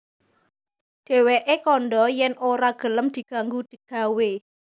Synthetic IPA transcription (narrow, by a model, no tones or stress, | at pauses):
d̪̥e̤weʔekɔnɖɔjɛnoɾaɡ̥ə̤ləmd̪̥i̤ɡ̥a̤ŋɡud̪̥i̤ɡ̥ä̤we